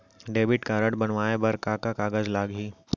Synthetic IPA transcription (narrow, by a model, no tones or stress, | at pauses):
ɖeːbɪʈkaːɾəɽbɐnʋaːebɐɾkakakaːɡəzlaːɡɦiː